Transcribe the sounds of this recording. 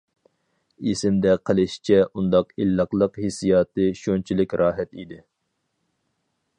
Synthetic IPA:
isɪmd̪ɛqʰəlˠɨʃt͡ʃʰɛʔund̪ɑqilːɑqlˠəqhesijɑːt̪ɨʃont͡ʃʰilɪkʲɾɑːɦɛt̪id̪ɪ

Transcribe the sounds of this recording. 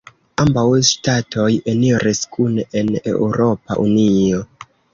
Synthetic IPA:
ambawʃtatʰo̞jeniɾeskʰunenḛuɾo̞pa̰ʔunio̞

